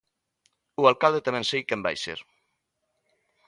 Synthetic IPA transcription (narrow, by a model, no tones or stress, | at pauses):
ualkald̪et̪amɛ̃nsejkɛmba̰jsḛɾ